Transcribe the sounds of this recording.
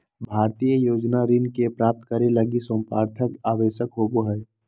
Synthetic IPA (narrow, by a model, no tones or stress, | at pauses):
bʱaːɾt̪ijəjoːd͡ʒnaɾinkepɾaːp̚t̪kəɾeləɡisə̃mpa̰ːɾt̪ʰəkaːʋeːʃəkɦoːɡoɦɛː